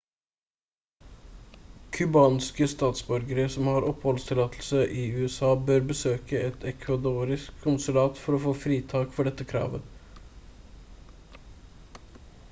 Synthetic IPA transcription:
kʰʉbɑːnskəst̪ɑːt̪sbɔɾɡəɾəsɔmhɑɾɔphɔlst̪ʰɪlɑːt̪ʰl̩səʔɪʉːɛsɑːbøːɾbəsøːkəɛt̪ʰɛkʰʋɑd̪uːɾɪskʰʊnsʉlɑːt̪fɔɾɔfoːfɾiːt̪ʰɑːkfɔɖɛt̪ːəkʰɾɑ̰ːʋə

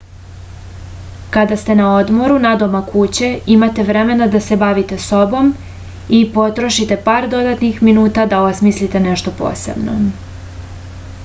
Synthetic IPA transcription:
kad̪ast̪e̞naod̪mo̞ɾunad̪omakut͡ɕe̞imat̪e̞ʋɾe̞me̞nad̪ase̞baʋit̪e̞so̞bo̞m | ipo̞t̪ɾo̞ʃit̪e̞paːɾd̪o̞d̪at̪nixminuːt̪ad̪aosmislit̪e̞neʃt̪o̞po̰ːse̞̰bno̞̰

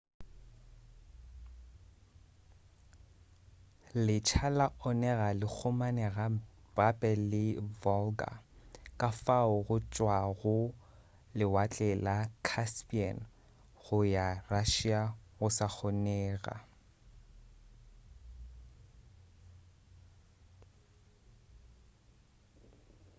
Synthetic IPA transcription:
lɪt͡ʃʰalaʔɔnɛɣalɪk͡xʰʊmanɛɣa | bapʼɛlɪvɔlɡa̰kʼafaʊɣʊt͡ʃʼwaɣʊ | lɪwat͡ɬʼɛlakʰaspʼian | ɣʊjaraʃiaɣʊsak͡xʰɔnɛːɣa̰

